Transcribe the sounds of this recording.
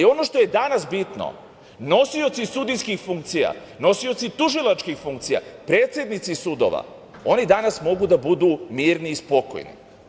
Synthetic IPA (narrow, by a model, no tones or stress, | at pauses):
io̞no̞ʃt̪o̞je̞d̪anasbit̪no̰ | no̞sio̞t̪sisud̪ijskixfuŋkt̪sija̰ | no̞sio̞t̪sit̪uʒilat͡ʃkixfuŋkt̪sija̰pɾe̞ːt̪sje̞d̪nit̪sisud̪o̞̰ʋa̰ | o̞nid̪anasmo̞ɡud̪abud̪umiːɾniːspo̞ko̰jnḭ